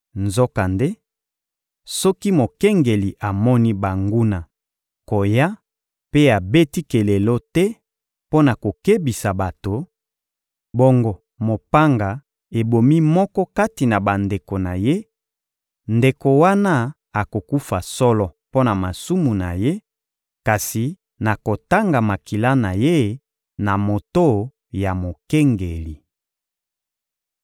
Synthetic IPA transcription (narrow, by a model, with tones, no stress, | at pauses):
nzo˦ka˨nde˦ | sɔ˦ki˦mo˨ke˦ŋɡe˨li˨ʔa˨mɔ˦ni˦ba˨ŋɡu˦na˨ | ko˨ja˦ | pe˦a˨be˦ti˦ke˨le˨lo˦tɛ˦ | po˦na˨ko˨ke˦bi˨sa˨ba˨to˨ | bo˦ŋɡɔ˨ | mo˨pa˦ŋɡa˨ | e˨bo˨mi˦mɔ˦kɔ˦ka˦ti˨na˨ba˨nde˨ko˨na˨je˦ | nde˨ko˨wa˦na˦ | a˨ko˨ku˦fa˨sɔ˦lɔ˦po˦na˨ma˨su˦mu˨na˨je˦ | ka˨si˨ | na˨ko˨ta˦ŋɡa˨ma˨ki˨la˦na˨je˦ | na˨mo˨to˦ | ja˨mo˨ke˦ŋɡe˨li˨